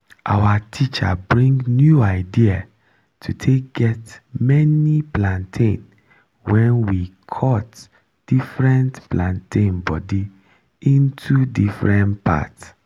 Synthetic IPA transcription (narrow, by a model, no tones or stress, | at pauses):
ʔa̰watʰit͡ʃa̰bɹĩŋɡnjuaɪdia | tʰutʰek̚ɡ̥ɛtmɛniplãntʰĩn | wɛ̃nwikʰɔt | d̥ifɹɛ̃ntplãntʰĩnbɔdi | ĩntʰudifɹɛ̃ntpʰa̰ts